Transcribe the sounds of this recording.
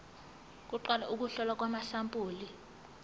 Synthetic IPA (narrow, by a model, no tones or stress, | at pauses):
k̬ʼuǃwalaʔuk̬ʼuɬɔlak̬ʼwamaɬampʼuːli